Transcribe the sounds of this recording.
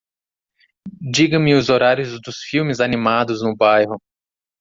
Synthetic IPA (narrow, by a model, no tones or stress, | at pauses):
d͡ʒiɡɐ̃mɪʊzoɾaɾjʊzd̪ʊsfiwmɪzanimad̪ʊznʊbajɦʊ